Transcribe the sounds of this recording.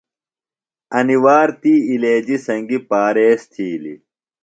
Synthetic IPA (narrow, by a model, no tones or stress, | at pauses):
ɐniwaːɾt̪iːleːd͡ʑisɐŋɡipaːɾeːst̪ʰiːlḭ